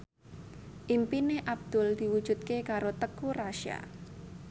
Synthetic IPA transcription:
ʔimpineʔab̚d̪̥ʊld̪̥iwud̥ʒ̥ṳt̪̚kekaɾot̪əkuraʃia̰

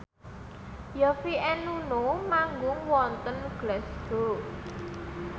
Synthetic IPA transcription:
jafiɛnunomaŋɡʊŋwɔnt̪ənɡ̥lɛsɡ̥o̤

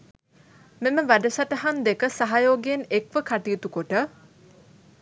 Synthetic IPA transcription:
meməʋæɖəsaʈəɦand̪ekəsaɦajoːɡeenekʋəkʰaʈiːt̪ukoʈə

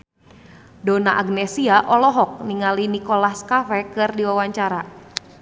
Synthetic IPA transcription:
donaʔaɡnɛsiaʔɔlɔɦɔk̚niŋalinikolahskafɛkɨrdiwawaɲt͡ʃaɾa

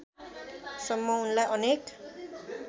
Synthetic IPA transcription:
sʌmːʌunlajʔʌnek

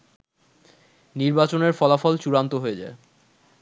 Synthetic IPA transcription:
niɾbat͡ɕoneɾfɔlafɔlt͡ɕuɾant̪oɦoed͡ʑa̰e

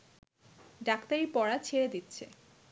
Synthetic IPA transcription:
ɖakt̪aɾipɔɽat͡ɕʰeɾed̪it̪ːɕʰḛ

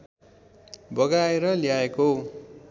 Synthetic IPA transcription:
bʌɡaeɾʌljaeko

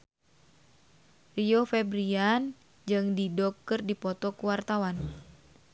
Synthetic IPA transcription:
riɔfɛbɾian | d͡ʒɨŋdidɔkːɨrdipɔt̪ɔkuwart̪awan

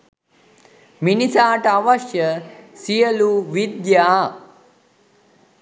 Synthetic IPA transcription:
minisaːʈəaʋaʃjəsijəluʋid̪jaː

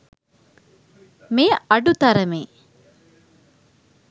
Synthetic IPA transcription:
mejəɐɖut̪ɐɾəmeː

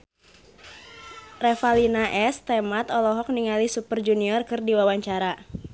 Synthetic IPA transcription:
rɛfalinaʔɛst̪ɛmat̪ɔlɔɦɔk̚niŋalisupərd͡ʒuniɔrkɨrdiwawaɲt͡ʃaɾa

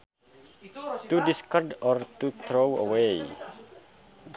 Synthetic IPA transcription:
t̪udiskɔrdɔrt̪ut̪ɾowə̰wej

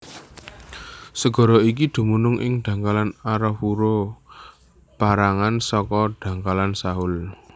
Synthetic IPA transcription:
səɡ̥ɔ̤ɾɔik̬id̪̥ṳmunʊŋʔɪ̰ŋd̪̥ä̤ŋkalanaɾɔwuɾo | b̥aɾaŋansɔkɔɖ̪̥ä̤ŋkalansaɦʊl

